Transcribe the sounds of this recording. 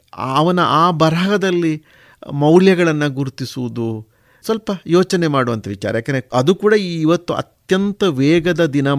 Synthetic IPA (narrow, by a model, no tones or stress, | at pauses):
ɐʋɐnɐʔaːbɐɾaɡɐd̪ɐlːi | mɐwljɐɡɐɭɐnːɐɡuɾt̪isuʋud̪u | sʋɐlpɐjoːt͡ʃɐne̞maːɽuʋɐnt̪ɐʋit͡ʃa̰ːɾɐjaːkːeneɐd̪ukuːɽɐiːʋɐt̪ːuɐ̰t̪jɐnt̪ɐʋeːɡɐd̪ɐd̪inɐ